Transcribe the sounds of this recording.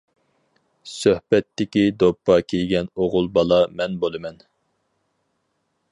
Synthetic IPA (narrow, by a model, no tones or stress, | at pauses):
søhbɛt̪ʰːɪkʲid̪opʰːɑkʲʰejɡʲɛnoʁʊlˠbɑlˠɑmɛnbolˠɨmɛn